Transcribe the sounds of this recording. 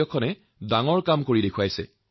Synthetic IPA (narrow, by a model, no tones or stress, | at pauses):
ɔkʰɔnɛ | daŋɔɹkamkoɹidekʰuwajsɛ̰